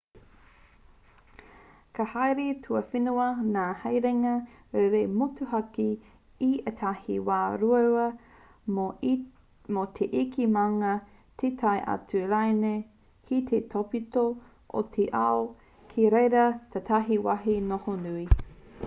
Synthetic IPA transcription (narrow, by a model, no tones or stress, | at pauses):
kʰahajɾetʰuɐfinuɐnaːhɐjɾeŋɐ | eɾemotuɦɐki | iet̪ʰahḭwaːɾuɐwɐ | mot̪ʰeʔikimaŋɐ | tʰetʰajʔa̰tuɾajne | kʰit̪ʰetʰopito | ʔo̰tʰeʔao | kʰiɾejɾɐt̪ʰatʰaɦiwaɦinohonui